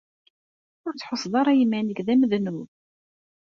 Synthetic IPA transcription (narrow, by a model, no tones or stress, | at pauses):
ʊɾt͡sːħosˤðˤɑɾˤɑjimænəɡðæməðnuð